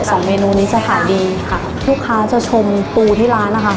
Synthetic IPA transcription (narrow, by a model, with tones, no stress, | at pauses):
sɔː˩˦ŋmeː˧nuː˧niː˦˥t͡ɕa˧t̪ʰaː˨˩˦jdiː˧kʰa˥˩ | lu˦˥˩kʰːaː˦˥t͡ɕa˨˩t͡ɕʰo˧mpuː˧t̪ʰiː˥˩ɾaː˦˥nːa˦˥kʰa˥˩